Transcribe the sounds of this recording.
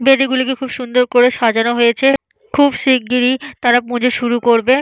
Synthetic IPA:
bed̪iɡulikekʰubʃund̪oɾkoɾeʃad͡ʑanoɦojet͡ɕʰe | kʰubsik̚ːiɾit̪aɾapũd͡ʑʱeʃuɾukoɾbe

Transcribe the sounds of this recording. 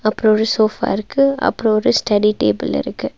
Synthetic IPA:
ɐpːɯɾõɔɾɯsoːfa̰ːɪɾɯkːɯɐ̰pːɯɾõɔɾɯsʈɐɽiʈeːbɪlɪ̰ɾɯkːɯ

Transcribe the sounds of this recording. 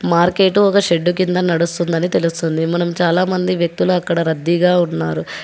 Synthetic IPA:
maːɾke̞ːʈuɔkɐʃe̞ɖːukind̪ɐnɐɽust̪und̪ɐnit̪e̞lust̪und̪imɐnɐmt͡ʃaːlaːmɐnd̪iʋjɐk̚t̪uluɐkːɐɽɐɾɐd̪ːiɡaːunːaːɾu

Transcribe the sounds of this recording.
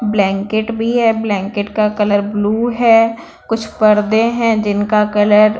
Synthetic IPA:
blɛ̃ːŋkɪʈbʱiɦɛːblɛ̃ːŋkɪʈkakɐləɾbluːɦɛː | kʊt͡ʃʰpɐɾd̪ẽɦɛ̃d͡ʒɪnkakɐləɾ

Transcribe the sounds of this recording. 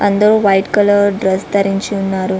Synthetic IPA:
ɐnd̪ɐɾuːʋɐjʈkɐlɐɾɖɾɐst̪ɐɾiɲt͡ʃiunːaːɾu

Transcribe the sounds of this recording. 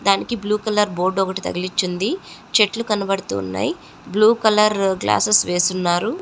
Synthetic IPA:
d̪aːnikibluːkɐlɐɾbo̞ːɾɖɔkɐʈit̪ɐ̰ɡɐlit͡ʃːind̪it͡ʃe̞ʈlukɐnɐbɐɽut̪ṵːnːa̰ːji | bluːkɐlɐɾɡla̰ːsesʋe̞ːsunːaːɾu

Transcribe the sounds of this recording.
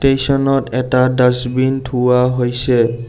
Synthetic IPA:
tesɔnɔtɛtadasbintʰuwaɦojsɛ

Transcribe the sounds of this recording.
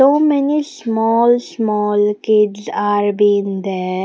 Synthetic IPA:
oːmenismɔːlsmɔːlkiɖzaːɾbiːnd̪ɛ

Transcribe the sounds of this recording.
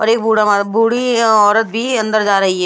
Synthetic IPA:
ɔːɾeːk̚bʱuːɽamabʱuːɽiɔːɾət̪̚bʱiɐ̃nd̪əɾd͡ʒaːɾɐɦiɦɛː

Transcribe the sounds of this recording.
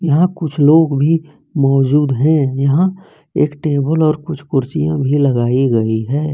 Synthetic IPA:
jɐɦãkʊt͡ʃʰloːɡbʱi | mɔːd͡ʒuːd̪ɦɛ̃jɐɦã | ḛːkʈeːbəlɔːɾkʊt͡ʃʰkʊɾt͡ʃijã̰bʱilɐɡaːiɡɐiɦɛː

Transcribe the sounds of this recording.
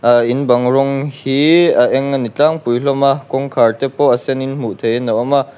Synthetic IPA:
ainbaŋɾɔŋhiaʔeŋanit͡ɬaŋpujɬɔmakɔŋkʰaɾtepɔaseninm̥uʔtʰejnɔwama

